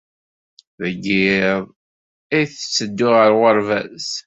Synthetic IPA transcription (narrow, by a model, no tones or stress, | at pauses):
ðəɡːiðˤ | ijθə̥t͡sːəd̪ːʊʁəɾʁəɾˤvæs